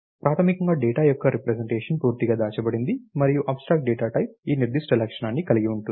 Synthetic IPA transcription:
pɾaːt̪ʰɐmikɐŋɡaːɖɛːʈaːjɔkːɐɾipɾɐseɳʈeːʂɐnpuːɾt̪iɡaːd̪aːt͡ʃɐbɐɽind̪imɐɾijuʔaːbsʈɾaːk̚ʈ̚ɖɛːʈaːʈɐjp̚iːniɾd̪iʂʈɐlɐkʂɐɳaːnːikɐliɡiuɳʈuni

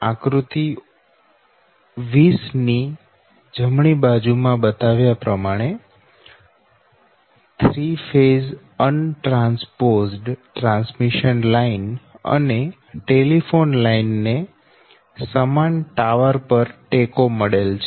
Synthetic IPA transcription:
ãkɾut̪i | ʋisni | d͡ʒəmɳibad͡ʒumãbət̪aʋjapɾəmaɽ̃e | t̪ʰɾifez | ənʈɾãnspozɖʈɾãnsmiʃənlainə̰ne | ʈelifonlainːe | səmanʈaʋəɾpəɾʈekoməɭelt͡ʃʰe

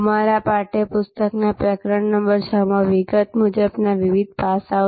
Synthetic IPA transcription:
maɾapaʈepʊst̪əknapɾəkɾəɳnəmbəɾt͡ʃʰəmãʋiɡət̪mud͡ʒəbnaʋiʋid̪̚ʱpasa

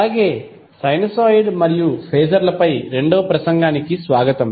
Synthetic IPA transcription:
ɐaːɡeː | sɐjnɐsoːjɖmɐɾijupʰeːd͡ʒɐɾlɐpɐjɾe̞ɳɖoːpɾɐsɐŋɡaːnikisʋaːɡɐt̪ɐm

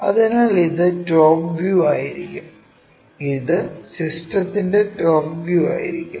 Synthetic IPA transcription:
ɐ̰ðenaːɭiðɨʈoːpʋjuːaːjiɾikʲːum | iðɨsisʈrɐt̪ːinde̞ʈoːbʋjuːa̰ːjḭɾikʲːum

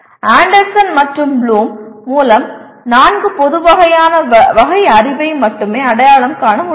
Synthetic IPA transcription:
aːɳɖɐɾsɐnmɐʈrɯmbluːmːuːlɐm | naːnɡɯpɔðɯʋɐɣɐjaːnɐʋɐɣɐɪɐɾɪʋɐɪmːɐʈːɯmeːɐɽɐjaːɭɐmkaːɳɐmʊ

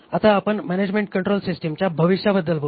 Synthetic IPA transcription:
at̪aːpəɳmæned͡ʑmẽɳʈ̚kəɳʈɾolsisʈəmt͡ɕjabʱəʋiʂjabəd̪ːəlbʱo

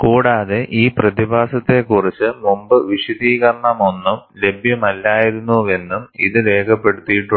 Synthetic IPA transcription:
kuːɽaːðe̞ʔiːprɐðibʱaːsɐt̪ːe̞kurit͡ɕːɨmumbɨʋiɕud̪iːɣɐrɐɳɐmo̞nːumle̞bʱjɐmɐlːaːjiɾunːue̞nːumḭðɨle̞ːkʰɐpːe̞ɽut̪ːijiʈːu

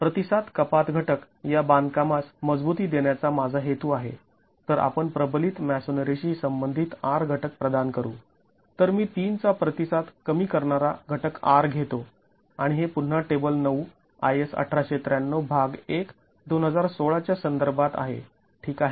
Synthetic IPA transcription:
pɾət̪isat̪kəpat̪ɡʱəʈək | jaband̪kamasməd͡zbut̪iːd̪eɳjat͡samad͡zʱaɦet̪uːaɦḛ | t̪əɾa̰pəɳpɾəblit̪mæsonɾeɕiːsəmbənd̪ʱiːt̪aɾɡʱəʈək̚pɾəd̪ankəɾṵː | t̪əɾmiːt̪iːnt͡sapɾət̪isat̪kəmiːkəɾɳaɾaɡʱəʈəka̰ɾɡʱet̪o | aɽ̃iɦepun̤ːaʈebəlnəu | ajesə̰ʈʰɾaɕet̪ɾjanːobʱaɡek | d̪onɦəd͡zaɾsoɭat͡ɕjasənd̪əɾbʱat̪a̰ɦḛ | ʈʰiːkaɦe

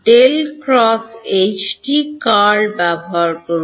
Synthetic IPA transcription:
ʈelkɾɔset͡ʃʰʈikaɾbabʱaɾkoɾ

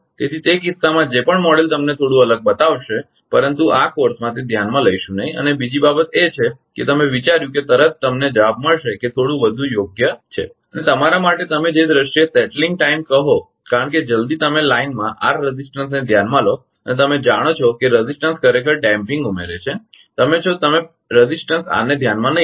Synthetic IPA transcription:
t̪et̪ʰit̪ekɪssːamãd͡ʒepəɳmɔɽelt̪əmnet̪ʰoɽũələɡ̚bət̪aʋʃe | pəɾənt̪uʔakoɾsmãt̪ed̪ʱjanmãləiʃũnəɦĩə̰nebid͡ʒibabət̪et͡ʃʰeket̪əmeʋit͡ʃaɾjũket̪əɾət̪ːəmned͡ʒəʋab̚məɭʃeket̪ʰoɽũʋəd̪ʱũjoɡjət͡ʃʰḛ | ənet̪əmaɾamaʈet̪əmed͡ʒed̪ɾəʃiesɛʈlɪŋɡ̚ʈaimkəɦo | kaɾəɳk̬ed͡ʒəld̪it̪əmelainmãʔaɾɾəzisʈəns̬ned̪ʱjanmãlo | ənet̪əmed͡ʒaɽ̃ot͡ʃʰokeɾəzisʈənskəɾekəɾɖɛ̃mpɪ̃ŋɡumeɾet͡ʃʰe | t̪əmet͡ʃʰot̪əme | ɾəzisʈənsa̰ned̪ʱjanmãnəɦĩ

